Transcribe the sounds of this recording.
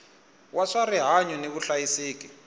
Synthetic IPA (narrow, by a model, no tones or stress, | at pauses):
wʔaʂariɦaɲɔneβuɬajisiːk̬ʼi